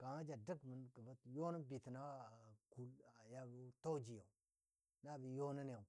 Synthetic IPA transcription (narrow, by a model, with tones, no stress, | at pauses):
ka˨ma˦d͡ʒa˨də˦kmə˨nkə˨ba˦tjo˦nə˦bi˨ti˨na˦wku˦la˨ja˦bi˦to˦d͡ʒi˨ja˨u˨ | na˦˨bi˨jo˦nə˦nja˨u˨